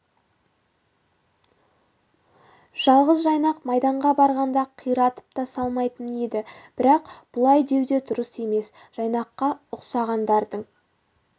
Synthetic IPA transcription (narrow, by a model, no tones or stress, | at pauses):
ʒ̥ɑlˠʁəzʒɑjnɑqmɑjd̪ɑɴʁɑbɑɾʁɑnd̪ɑqʰijɾɑt̪ə̥p̚t̪ɑsɑlˠmɑjt̪əned̪ɪb̥ɪɾɑqb̥ʊlˠɑjd̪e̞wd̪e̞d̪ʊɾəse̞me̞s | ʒ̥ɑjnɑqːɑʊqsɑʁɑnd̪ɑɾd̪əɴ